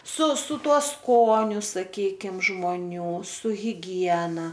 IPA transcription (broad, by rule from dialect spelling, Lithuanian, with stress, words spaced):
sʊ sʊ ˈtuɔ ˈskoːnʲʊ sɐˈkʲiːkʲɪm ʒmoːˈnʲuː sʊ ɣʲɪˈɡʲiɛnɐ